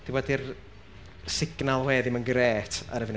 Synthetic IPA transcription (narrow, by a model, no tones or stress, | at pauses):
d̥ibɔdɪr | sɪɡ̥nalˠwɛːðɪmənɡɾeːtʰa̰ɾəvɪn